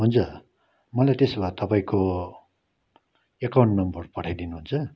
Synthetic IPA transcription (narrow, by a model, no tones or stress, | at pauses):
ɦunt͡sʰʌ | mʌlajt̪esbat̪ʌpaĩko | ekawɳʈnʌmbʌrpʌʈʰajd̪inuɦunt͡sʰʌ